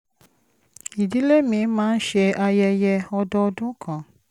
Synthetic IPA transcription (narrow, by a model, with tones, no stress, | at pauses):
i˨di˦le˦mĩ˨˦mãː˦n̩˦ʃɛ˧ʔa˧jɛ˧jɛ˧ɔ˧dɔ˦˧˦dũ˦kʰã˨